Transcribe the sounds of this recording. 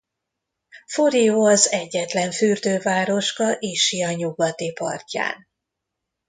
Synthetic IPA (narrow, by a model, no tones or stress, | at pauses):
foɾijoːɒzɛɟːɛt̪lɛɱfyrd̪øːvaːɾo̞ʃkɒʔiːʃijɒɲuɡɒt̪ipɒ̰rca̰ːn